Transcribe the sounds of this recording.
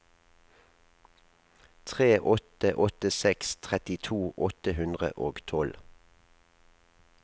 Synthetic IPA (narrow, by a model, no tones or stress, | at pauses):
t̪ʰʁeːʔɔt̪əʔɔt̪əsɛkst̪ʰʁɛt̪ɪt̪ʰuːʔɔt̪əhʉnd̪ʁə̰ʔoːɡt̪ʰɔl